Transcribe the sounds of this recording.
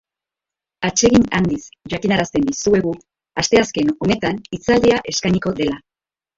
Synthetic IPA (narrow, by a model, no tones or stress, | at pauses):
at͡ʃe̞ɣinand̪isʝakinaɾast̪e̞nd̪isue̞ɣu | ast̪e̞aske̞no̞ne̞t̪anit͡sald̪eaʔe̞skajɲiko̞d̪e̞la